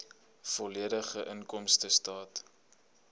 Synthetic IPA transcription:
fɔliədəχəʔənkɔmstəstɑːt

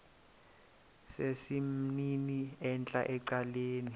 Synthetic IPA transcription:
sesim̩niniɛnt͡ɬʼa̰ʔɛǀaleːni

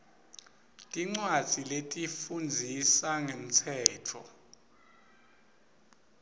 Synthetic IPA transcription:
tʼiŋ͡ǀwḁd͡z̥ʱiletʼifund͡zʱisaŋem̩tʰɛːtʰɔ̰

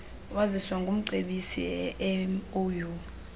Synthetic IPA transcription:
waziswaŋɡʱum̩ǀeɓisḭɛmoju

